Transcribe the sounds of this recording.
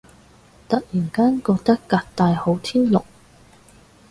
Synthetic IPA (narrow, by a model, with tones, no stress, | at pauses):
t̪ɐ˨k̚jiː˨˩nkaː˥nkɔː˧k̚t̪ɐ˥kːaː˧t̚t̪aː˧jho˨˥wt̪ʰiː˥nlʊ˨k̚